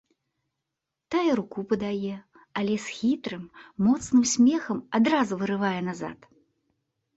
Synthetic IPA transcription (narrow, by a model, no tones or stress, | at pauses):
t̪ajɛɾukupɐd̪ajɛ | alʲɛsxʲit̪ɾɨmːɔt̪snɨmsʲmʲɛxɐmad̪ɾazuvɨɾɨvajɛnaza̰t̪